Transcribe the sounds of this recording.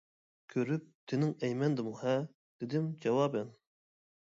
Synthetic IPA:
kʲʰøɾyp̚t̪ʰɪnɪŋɛjmɛnd̪ɨmuhɛ | d̪̥ed̪ɪmd͡ʒɑwɑːbɛn

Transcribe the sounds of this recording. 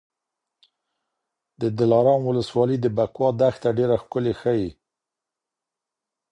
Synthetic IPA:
d̪əd̪ɪlɑɾɑnwʊləswɑləd̪əbakwɑd̪axt̪aɖeɾaxkʊlexəji

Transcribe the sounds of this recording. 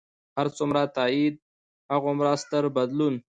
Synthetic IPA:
haɾt͡sʊmɾat̪aːid̪̚ | haɣomɾaːst̪əɾbad̪lun

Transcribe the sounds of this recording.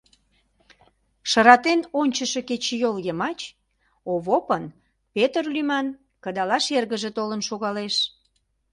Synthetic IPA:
ʃə̆ɾɑt̪enonʲt͡ɕəʃeket͡ɕejoljəmɑt͡ɕ | oβopən | pet̪ərlymɑn | kəd̪ɑlɑʃerɣəʒet̪olənʃoɣɑleʃ

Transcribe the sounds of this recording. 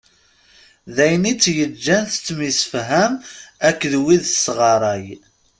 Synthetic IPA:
ðæjnit͡sːjəd͡ʒːænθət͡sːmisəfɦæmækːðwiðsʁɑɾˤɑj

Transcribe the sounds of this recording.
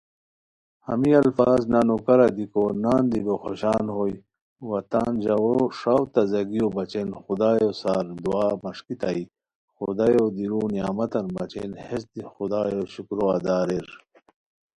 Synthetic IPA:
hɐ̰miɐlfaːznanokɐɾad̪ikonaːnd̪iɡoxoɕaːnhoj | wɐt̪aːnd͡ʑɐwoʂawt̪ɐzɐɡijobɐt͡ɕenxud̪aːjosaːɾd̪uaːmɐʂkit̪ai | xud̪ajod̪iɾuːnijaːmɐt̪ɐnbɐt͡ɕḛnhesd̪ixud̪aːjoɕukɾoad̪aːɾeɾ

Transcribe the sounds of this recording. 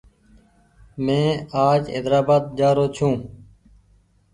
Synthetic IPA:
mẽːaːd͡ʒḛd̪ɾaːbaːd̪̚d͡ʒaːɾoːt͡ʃʰũː

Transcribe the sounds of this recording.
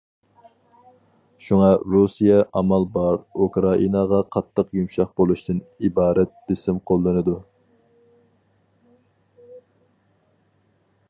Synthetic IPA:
ʃuŋɑɾusijɛʔɑmɑlˠbɑɾukɾɑʔinɑʁɑqʰɑt̪ʰːəqjumʃɑχbolˠuʃt̪ʰɨnibɑːɾɛt̪̚bɪsɪmqʰolˠːɨnɨd̪u

